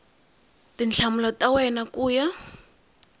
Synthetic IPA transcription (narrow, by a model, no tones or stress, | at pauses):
tint͡ɬʰamulɔtʼawɛnakuːja